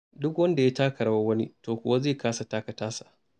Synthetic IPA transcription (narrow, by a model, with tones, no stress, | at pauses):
dʊ˦kwɐ˦nda˨ja˦taː˦kʰɐ˨ɽa˦˨wa˦wɐ˦nḭ˦toː˨kʷʊ˨wa˦zeː˦˨kaː˦sa˨taː˦kɐ˨taː˦sa˨ʔ